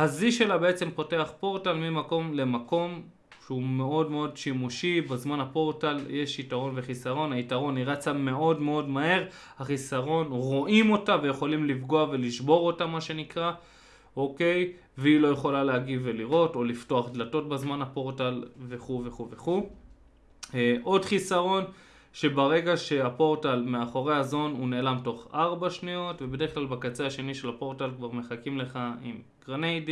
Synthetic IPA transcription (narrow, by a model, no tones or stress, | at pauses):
haziʃe̞labe̞et͡se̞mpo̞te̞aχpo̞ʁtalmimako̞mle̞mako̞m | ʃeume̞o̞dme̞o̞dʃimuʃibazmanhapo̞ʁtaljeʃitaʁo̞nve̞χisaʁo̞nhaitaʁo̞niʁat͡same̞o̞dme̞o̞dmaɦe̞ʁhaχisaʁo̞nʁo̞ʔimo̞taveje̞χo̞limlifɡo̞ave̞liʃbo̞ʁo̞tamːaʃe̞nikʁa | o̞ke̞j | veilo̞je̞χo̞laleaɡive̞liʁo̞to̞lifto̞aχd̪lato̞t̚bazmanapo̞ʁtalve̞χuveχuveχu | ʔo̞dχisaʁo̞n | ʃe̞baʁe̞ɡaʃe̞apo̞ʁtalmeaχo̞ʁe̞azo̞nuneːlamto̞χaʁbaʃnio̞tvebede̞ʁeχklalbakat͡seaʃe̞niʃe̞lapo̞ʁtalkvaʁme̞χakimle̞χaḭm | ɡʁnejdi